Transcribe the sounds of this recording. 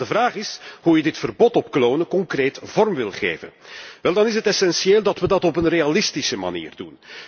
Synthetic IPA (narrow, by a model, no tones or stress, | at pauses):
dəvraːχɪsɦujədɪtfərbɔtɔpkloːnəkɔŋkreːtv̥ɔrmʋɪlˠχḛːvə̰nʋɛlˠdɑnɪs̬ɦətɛsɛnsieːlˠdɑtʋədɑtɔpənrealɪstisəma̰nḭːrdṵn